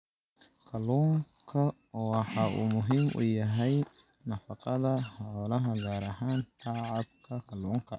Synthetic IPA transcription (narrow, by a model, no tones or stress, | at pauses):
kʰɐlɔŋkʰɐ | wɑħaʔṵmʊɦɪmʔʊ̰jɐɦɛj | nɐfɐqʼɑðɐhaɔlɐɦɐɡaːɾɐɦaːnt̪ʰaʕab̚kʰɐkʰɐlɔːŋkʰɐ